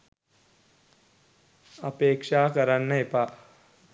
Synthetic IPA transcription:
ɐpeːkʂaːkɐɾanːɐepa

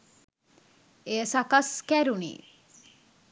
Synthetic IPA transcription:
eəsakaskæɾunḭ

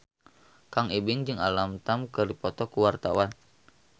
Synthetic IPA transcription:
kaŋibɪŋd͡ʒɨŋalamt̪amkɨrdipɔt̪ɔkuwart̪a̰wan

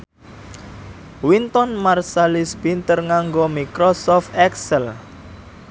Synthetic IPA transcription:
wint̪ɔnmarsalisbint̪ərŋaŋɡomikɾɔsɔft̪ɛksəl

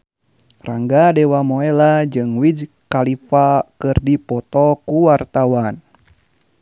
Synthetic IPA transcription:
raŋɡadɛwamoɛlad͡ʒɨŋwid͡ʒ | kalifakɨrdipɔt̪ɔkuwart̪awan

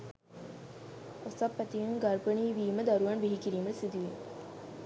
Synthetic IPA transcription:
osapːæt̪ijuŋɡaɾpəɳiːʋiːməd̪aɾuʋɐnʋiɦikiɾiːməsid̪uʋin

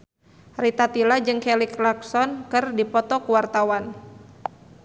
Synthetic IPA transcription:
rit̪at̪ilad͡ʒɨŋkɛliklaksɔnkɨrdipɔt̪ɔkuwart̪awan

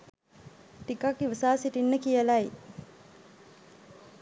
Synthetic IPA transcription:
t̪ikakiʋəsaːsiʈinːəkijəlaj

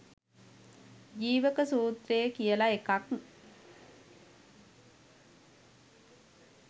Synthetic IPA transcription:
d͡ʒiːʋəkəsuːt̪rejəkijəlaekak

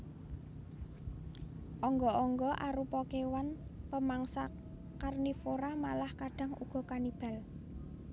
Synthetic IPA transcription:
ʔɔŋɡɔʔɔŋɡɔʔaɾupɔkewanpəmaŋsa | karnifoɾamalahkaɖ̥a̤ŋṵɡ̥ɔ̤kanib̥a̤l

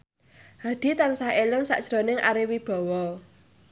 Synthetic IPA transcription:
had̪̥i̤t̪ansahelɪŋsa̰ʔd̥ʒ̥ɾonɪŋʔa̰ɾiwib̥ɔ̤wɔ

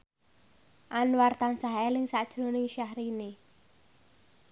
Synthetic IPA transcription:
ʔanwart̪aŋsaɦɛlɪŋsad̥ʒ̥ɾonɪŋʃahɾine

